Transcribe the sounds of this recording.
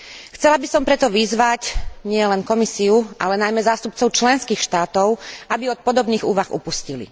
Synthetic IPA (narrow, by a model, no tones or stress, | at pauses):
xt͡sɛlabisɔmpɾɛt̪ɔʋizʋacɲɪɛlɛnkɔmisiuʔa̰lɛnajmɛzaːst̪up̚t͡sɔʊt͡ʃlɛnskiːxʃt̪aːt̪ɔʊabiɔt̪̚pɔd̪ɔbniːɣuːʋaxṵpuscilḭ